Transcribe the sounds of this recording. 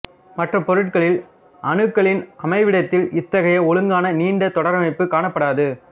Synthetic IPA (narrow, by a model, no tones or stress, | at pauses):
mɐʈrɐpɔɾɯʈ̚kɐɭɪl | ʔɐɳɯkːɐɭɪnɐmɐɪʋɪɽɐt̪ːɪlɪt̪ːɐɣɐjɐɔɭɯŋɡaːnɐniːɳɖɐt̪ɔɽɐɾɐmɐɪpːɯkaːɳɐpːɐɽaːðɯ